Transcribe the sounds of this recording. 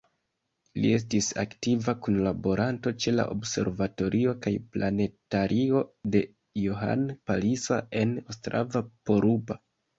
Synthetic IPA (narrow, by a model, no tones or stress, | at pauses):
lḭe̞s̬tisa̰ktivakunlabo̞ɾʔanto̞t͡ʃe̞la̰ʔo̰bse̞̰ɾvato̞ɾʔio̞kajplʔane̞taɾʔio̞de̞ | joɦa̰npalisa̰e̞nostɾa̰vapo̞ɾupa